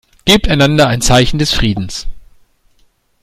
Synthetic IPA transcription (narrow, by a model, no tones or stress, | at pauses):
ɡ̥eːp̚taɪnandɐaɪnt͡saɪçn̩dɛsfʁ̥iːdn̩s